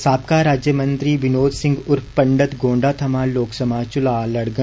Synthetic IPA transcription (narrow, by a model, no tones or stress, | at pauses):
saːp̚kaɾaːd͡ʒjəmə̃nt̪ɾibɪnoːd̪sɪ̃ŋɡʊɾfpɐ̃ɳɖət̪ɡõːɳɖaːt̪ʰɐmaːloːksɐmaːt͡ʃʊlaːlɐɽɡə̃